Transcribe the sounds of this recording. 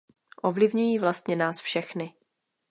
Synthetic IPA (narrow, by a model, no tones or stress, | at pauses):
ʔo̞vlɪvɲujiːvlast̪ɲɛnaːsfʃɛxnɪ